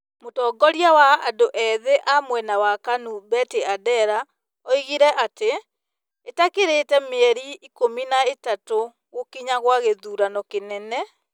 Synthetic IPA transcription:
motɔːɡɔɾiawaadoʔɛðeʔamwɛnawakanubɛteadɛɾa | ɔiɣiɾɛʔateː | takeɾetɛmeɛɾiːkominaetato | ɣokiɲaɣwaɣeðuːɾanɔkenɛnɛ

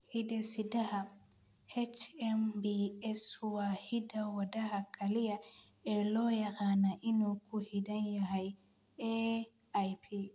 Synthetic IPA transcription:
hidɛsidaha | hɛt͡ʃɛmbiɛswahidawadahakʰalija | ɛlɔjakanaʔinokuhidanjaɦaj | ɛ | ajpʰi

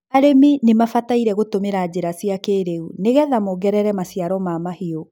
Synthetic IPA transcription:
aɾeminemafataiɾɛɣotomeɾad͡ʑeɾasiakeːɾeuneɣɛðamoɡɛɾɛɾɛmasiaɾɔmamahio

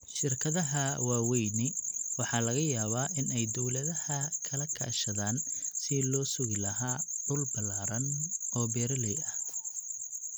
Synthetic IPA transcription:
ʃɪrkʰɐðɐɦɐwaːwɛjnɪwɑħɑːlɐɣɐjaːβaːʔɪnɛjd̪ɔwlɐðɐhɐkʰɐlɐkʰa̰ːʃɐðaːnsɪlɔːsʊɣɪlɐɦaːɖʊlbɐlaːɾɐnɔːbɛːɾɐlɛjɐh

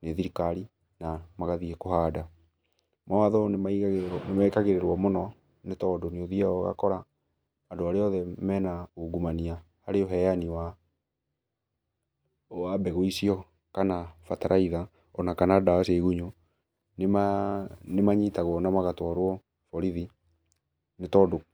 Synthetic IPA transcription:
neðiɾikaɾi | namaɣaðiɛkohaːda | mawaðɔnemanemakaɣeɾeɾwɔmonɔ | netɔdoneoðiaɔɣa̰kɔɾaː | ndoaɾeɔðɛmɛnauɡumania | haɾeoɦɛjaniwa | wabɛɣoisiɔ | kanafataɾʔaiða | ɔnakanadaseiɣuɲo | nemanemaɲitaɣwɔnamaɣatwaɾwɔ | fɔɾiði | netɔdo

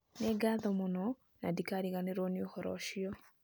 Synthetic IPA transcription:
neɡaðɔmonɔ | na̰dikaɾiɣaneɾɔniohɔɾɔ̰ʃiɔ

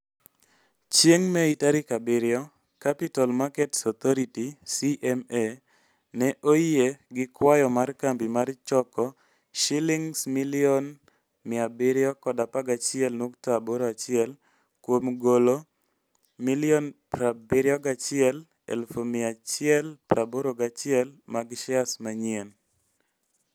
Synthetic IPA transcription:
t͡ʃjeŋmɛitaɾɪkabɪɾɪɔ | kapitalmakɛtsɔt̪ɔɾitisiʔɛme | nɛʔojeɡɪkwajɔmarkambimart͡ʃɔkɔ | ʃiliŋsmiliɔn | mɪabɪɾɪɔkɔdapaɡat͡ʃɪɛlnoktaboɾoat͡ʃɪɛl | kwomɡolo | milɪjɔnpɾabɪɾjɔɡat͡ʃɪɛl | ɛ̰lfomɪat͡ʃɪɛlpɾaboɾoɡat͡ʃɪɛlmaɡʃɪasmaɲiɛn

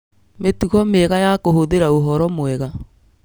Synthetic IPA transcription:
metuɣɔmɛɣajakohoðeɾaoɦɔɾɔmwɛɣa

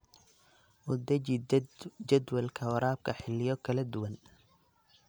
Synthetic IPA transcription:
ʔʊd̪ɐ | d͡ʒɐd̪wɐlkʰɐwɐɾaːb̚kʰɐħɪlɪjɔkʰɐlɐd̪ʊwɐn

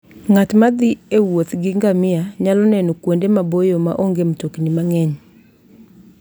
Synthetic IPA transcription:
ŋatmad̪ɪewot̪ɡɪŋɡamɪaɲalɔnɛnɔkwondemabojoma̰ʔoŋɡemtokɲimaŋɛɲ

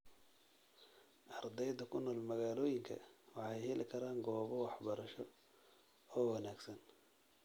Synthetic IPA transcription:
ʔɑrd̪ɛjd̪ɐkʰʊnɔːlmɐɣaːlɔːjɪŋkʰɐ̰wɑħɑjhɛlɪkʰɐɾaːŋɡɔːβɔwɑħbɐɾɐʃɔ | ɔːwɑnaːɡsɐn

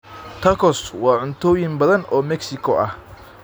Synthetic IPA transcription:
t̪ʰɐkʰɔswɑːʕʊnt̪ʰɔːjɪnbɐðɐnɔːmɛksɪkʰɔʔɐh

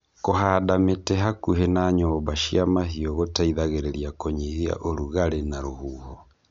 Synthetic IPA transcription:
koɦadametɛɦakuɦɛnaːɲɔbaʃiamaɦiɔɣotaiðaɣeɾɛɾiakoɲiɣia̰ʔoɾuɣaɾenaɾohuːhɔ

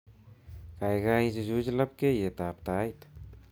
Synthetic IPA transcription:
kajɡajd͡ʒd͡ʒud͡ʒlɐp̚kejet̪aːp̚t̪ajt̪

